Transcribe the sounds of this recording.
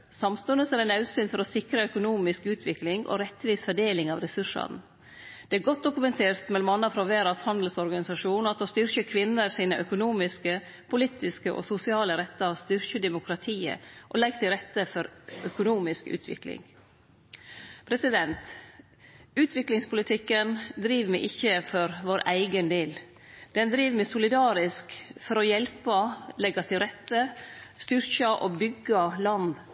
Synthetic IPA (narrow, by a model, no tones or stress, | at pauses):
sɑmst̪ʉnəsæɾɛnɑʉsyːnfɔɾɔsɪkɾəœkʊnuːmɪskʉːt̪ʰʋɪklɪŋʔɔ̰ɾɛt̪ʋiːsfœɖeːlɪŋɑʋɾɛsʉʂɑ̰n | d̪̥ɛæɾɡɔt̪̚d̪ʊkʉmɛnt̪ʰeːɾt̪mɛlɔmɑnːɑfɾɑʋeːɾɑshɑnd̪l̩sɔɾɡɑnɪsɑʂuːnɑt̪oːst̪ʏɾçəkʰʋɪnːəɾsiːnəʔœkʊnuːmɪskə | pʰʊliːt̪ɪskəʔo̰sʊsɪɑːləɾɛt̪ːəɑʋst̪ʏɾçəd̪ɛmʊkʰɾɑt̪ʰiːə̰ʔo̰lɛɡːt̪ʰɪlɾɛt̪ːəfɔɾœkʊnuːmɪskʉ̰ːt̪ʰʋɪ̰klɪ̰ŋ | pʰɾɛsɪd̪ɛnt̪ | ʉːt̪ʰʋɪklɪŋspʊlɪt̪ʰɪkːənd̪ɾiːʋmɛɪʔɪçːəfɔɾʋoːɾæɪɡənd̪eːl | d̪ɛnd̪ɾiːʋmɛsʊlɪd̪ɑːɾɪskfɔɾɔjɛlpəlɛɡɑt̪ʰɪlɾɛt̪ːəst̪ʏɾçəʔobʏɡːɑlɑnd̪